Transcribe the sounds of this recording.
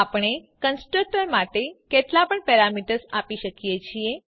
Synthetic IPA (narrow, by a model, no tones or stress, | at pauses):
apəɳ̃ekənsʈɾək̚ʈəɾmaʈekeʈlapəɳpɛɾamiʈəɾsapiʃəkjet͡ʃʰie